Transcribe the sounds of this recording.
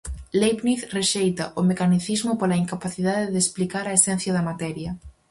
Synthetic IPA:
lejpniθreʃejt̪ɐʔʊmekaniθizmʊpolɐiŋkapaθiðaðeðeːsplikaɾɐesɛn̟θjɐðɐmat̪ɛɾjɐ

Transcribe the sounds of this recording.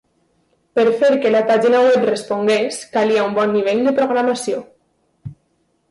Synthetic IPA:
pəɾfeɾkelapaʒinawɛprespoŋɡeskaliaumbɔnːiβeʎd̪əpɾoɣ̞ɾamasio

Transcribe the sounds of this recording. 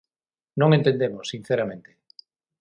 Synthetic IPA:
nõŋẽnt̪end̪emosːin̟θeɾamẽnt̪e̥

